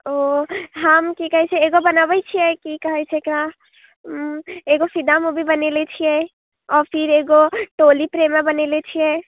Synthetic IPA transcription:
oɦəmkikəɦɛt͡ʃʰɛeɡobənabət͡ʃʰijɛkikəɦɛt͡ʃʰɛekɾa | eɡosid̪amubʱibənelɛt͡ʃʰijɛ | ɔɾpʰiɾeɡoʈolipɾemebənelɛt͡ʃʰijɛ

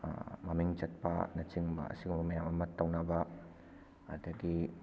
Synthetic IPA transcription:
mɐmiŋt͡ʃɐt̚pɐ̰nɐt͡ʃiŋbɐ̰ɐ̰siɡumbɐmɐjamɐmɐtːɐwnɐbɐ | ɐdɐɡi

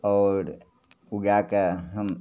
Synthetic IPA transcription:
ɔːɾ | uɡakeɦəm

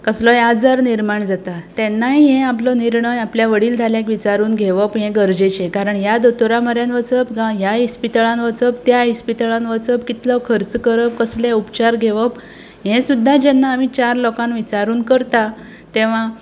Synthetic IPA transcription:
kəslɔjad͡zəɾniɾmaɳd͡zat̪at̪ɛ̃nːaɦiɦɛ̃aplɔniɾɳəjapljaʋəɽiːld͡zʱaljekʋit͡ɕaɾuːnɡʱeʋəpɦɛ̃ɡəɾd͡ʑet͡ɕẽkaɾəɳɦjad̪ot̪oɾaməɾjanʋət͡səpɡajaɦispit̪əɭãnʋət͡səpt̪jaispit̪ɭanʋət͡səp̚kit̪lɔkʰəɾt͡skəɾəp̚kəsleupt͡ɕaɾɡʱeʋəp | ɦɛ̃sud̪ʱːad͡ʑɛnːaːmit͡ɕaɾlokãnʋit͡ɕaɾuːnkəɾt̪a | t̪eʋ̤ã

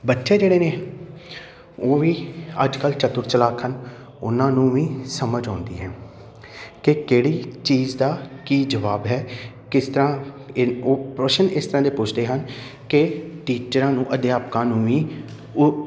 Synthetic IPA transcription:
bətːʃʰeːd͡ʒeːɽeːneː | oːʋĩːə̰d͡ʒkəlt͡ʃət̪ʊɾt͡ʃəlaːkʰən | ʊ̰nãːnũːʋĩːsəməd͡ʒãːnd̪ḭːɦɛ̃ː | kɪkeːɽiːt͡ʃiːzd̪aːkiːd͡ʒəʋaːbɦɛː | kɪst̪əɾãː | oːpɾəʃənɪst̪əɾãːd̪eːpʊt͡ʃʰd̪eːɦən | kɪʈiːt͡ʃəɾãːnũːʔəd̪jaːpkãːnũːʋĩː

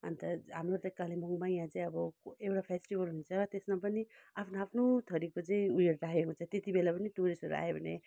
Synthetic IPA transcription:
ʌ̰nt̪ʌɦamrot̪ʌkːalemʌŋmajãt͡sʌĩʌbʌewʈapʰesʈibʌlɦunt͡sʰʌɾʌt̪esmapʌniapʰnoapʰnot̪ʰʌɾikot͡sʌĩueɾɾakekot͡sʰʌ̃t̪et̪ibelapʌnit̪uɾisʌɾua̰jebʱʌnḛ

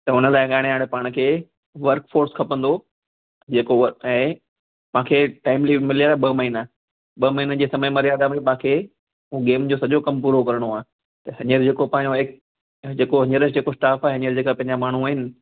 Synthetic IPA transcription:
t̪ɐʊnə̆laːɪɠaːɽ̃eɦaːɽ̃ɪpaːɽ̃kʰeː | ʋɐɾkfoːɾskʰɐpə̃nd̪o | d͡ʑeːkoʋɛ̃ː | pɐ̃ãkʰeːʈaːɪmliːʋmɪlijaɓɐmɐɦɪna | ɓɐmɐɦinəd͡ʑeːsɐməjmɐɾijaːd̪amepãːkʰeː | ɦũɠeːmd͡ʑoːsɐʄokɐmpuːɾokɐɾəɽ̃oaː | t̪ɐɦɐɲəɾd͡ʑeːkopɐ̃ɪ̃ɲoeːk | d͡ʑeːkoɦɐɲəɾəd͡ʑeːkosʈaːfaːɦeɦɐɲəɾd͡ʑeːkapɐ̃ɦɪɲd͡ʑamaːɳ̤uaːɦɪnɪ̆

